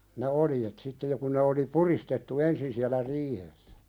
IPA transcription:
ne oljet sitːe jo kun̆ ne oli puristetːu ensin siælæ riːhesːæ̥

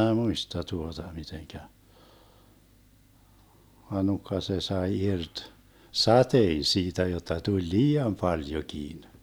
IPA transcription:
muistɑ tuotɑ miteŋkæ ʋɑ nukːɑ se sɑe irt sɑtein̞ siːtæ jotːɑ tulʲ liːɑm pɑljokiːn

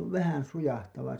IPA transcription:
ʋæhæn sujɑhtɑʋɑ

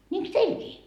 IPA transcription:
nʲiːŋks teilkiː

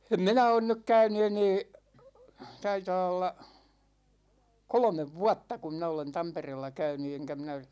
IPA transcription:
em minæ on nyk kæyny eneː tɑitɑː olːɑ kolŏmeʋ ʋuɑtːɑ ku minæ olen tɑmpereːlːɑ kæyny eŋkæ minæ

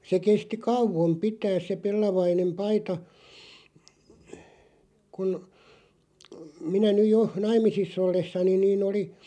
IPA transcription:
se kesti kɑuʋom pitæːs se pelːɑʋɑinem pɑitɑ kun minæ nyj jo nɑimˑisisː olːesːɑnin̆ niːn oli

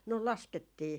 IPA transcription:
no lɑsketːiː

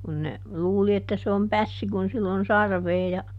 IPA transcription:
kun ne luːli etːæ se om pæsːi kun silː on sɑrʋeː jɑ

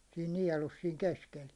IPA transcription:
siːn niɛlus siːŋ keskel

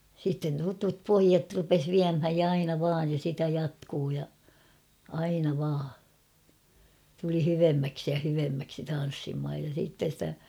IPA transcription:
sitːen tutup poijɑt rupes ʋiæmhæj jɑ ɑinɑ ʋɑːj jɑ sitæ jɑtkuː jɑ ɑinɑ ʋɑː tuli hyʋemːæksi jɑ hyʋemːæksi tɑn̞sːimhɑj jɑ siːtːen̞ stæ

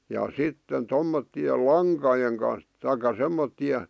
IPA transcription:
jɑ sitːen tomːotːiel lɑŋkɑjeŋ kɑn̞s tɑikɑ semːotːie

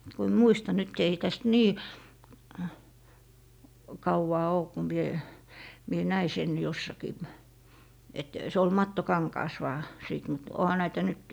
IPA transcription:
ku emː muistɑ nyt ei tæst niː kɑuwɑː oː ku mie mie næi sen josːɑkiː et se ol mɑtːokɑŋkɑːs ʋɑː siˑt mut ohɑ næitæ nyt

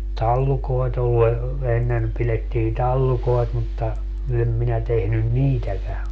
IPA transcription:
tɑlːukoet olːu e enːen piletːiː tɑlːukoet mutːɑ em minæ tehnyn niːtækæ

